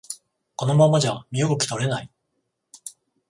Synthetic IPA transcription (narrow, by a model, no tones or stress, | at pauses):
ko̞no̞mãmːad͡ʑamʲioɡokʲi̥t̪o̞ɾe̞nai